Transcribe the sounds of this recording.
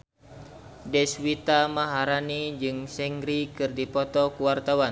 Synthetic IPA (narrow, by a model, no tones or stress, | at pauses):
dɛswit̪amaɦaɾanid͡ʒɨŋsɛŋɡɾikɨrdipɔt̪ɔkuwart̪awan